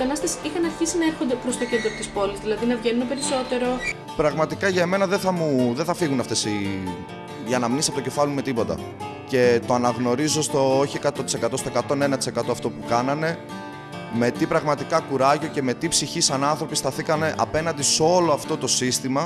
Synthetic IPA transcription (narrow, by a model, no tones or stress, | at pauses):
t̪ɐnɐst̪ɐsixɐnɐɾçisinɐeɾxond̪epɾo̞st̪o̞ced̪ɾopot̪ispo̞lizðilɐðinɐvʝenunepe̞ɾiso̞t̪e̞ɾo̞ | pɾɐɣmɐt̪ikɐʝɐeme̞nɐðeθɐmuðeθɐfiɣunɐft̪e̞si | ʝɐnɐmnisiɐpot̪oce̞fɐlume̞t̪ipo̞t̪ɐ̰ | ce̞t̪oɐnɐɣno̞ɾizost̪ooçiekɐt̪ot̪i̥se̞kɐt̪o̞st̪o̞ekɐt̪o̞nenɐt̪i̥se̞kɐt̪oɐft̪o̞pukɐnɐne̞ | me̞t̪ipɾɐɣmɐt̪ikɐkuɾɐʝo̞ce̞me̞t̪ipsiçisɐnɐnθɾo̞pist̪ɐθikɐne̞ʔɐpe̞nɐnd̪iso̞loɐft̪o̞t̪o̞sist̪imɐ